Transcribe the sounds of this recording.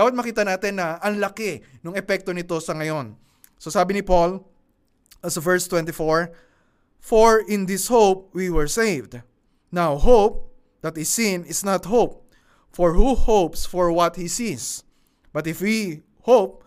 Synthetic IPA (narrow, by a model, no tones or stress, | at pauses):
awɐt̪̚mɐkiːt̪ɐnaːt̪ɪnːɐʔɐŋlɐkɛnʊŋɛpɛk̚t̪onɪt̪o̞sɐŋɐjo̞n | so̞saːbɪnɪpol | ɐsvɛɹst̪wɛ̃nt̪ɪfoɹ | foɹɪ̃nd̪ɪshowp̚wiwɛɹsejvd̪ | nawhop̚ | d̪̥ɐt̪̚hisĩnɪsnɐt̪̚hop̚ | fɔɹhuhowpsfɔɹwɐt̪̚hisis | b̥ɐt̪ɪfwi | howp̚